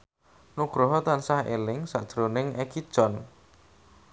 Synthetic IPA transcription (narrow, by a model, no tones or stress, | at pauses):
nuɡ̥ɾɔɦɔt̪ansahḛlɪŋsa̰ʔd̥ɾonɪŋɛkid̥ʒ̥ɔn